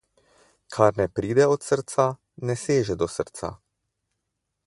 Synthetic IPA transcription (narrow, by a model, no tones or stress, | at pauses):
kʰaɾnɛpɾiːd̪ɛɔt̪səɾt̪sa | nɛseːʒɛd̪ɔsəɾt̪sa̰